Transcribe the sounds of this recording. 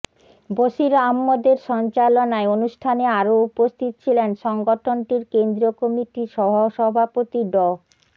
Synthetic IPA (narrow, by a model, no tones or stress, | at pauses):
boʃiɾamːod̪eɾʃɔnt͡ɕalonaeonuʃʈʰaneaɾoupost̪ʰit̪o̥t͡ɕʰilenʃɔŋɡoʈʰonʈiɾkend̪ɾiokomiʈiʃɔbʱoʃɔbʱapot̪iɖɔ